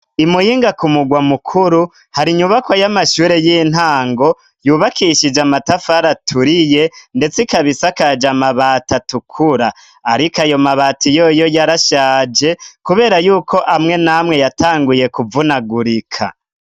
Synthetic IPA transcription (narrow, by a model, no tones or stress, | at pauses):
imujiːŋɡakumuɡwamukʰuɾu | haɾiɲuβakwajamaʃuːɾe̞jiːn̥haːŋɡo̞ | juːβakiʃid͡ʒamatafaɾatʰuɾije̞nde̞t͡sikaβisakad͡ʒamaβaːtatukʰuɾa | aɾikajo̞maβaːtijo̞jo̞jaɾaʃaːd͡ʒe̞kuβe̞ːɾajuːkʰo̞ʔamŋe̞namŋe̞jataːŋɡuje̞kuvunaɡuɾikʰa̰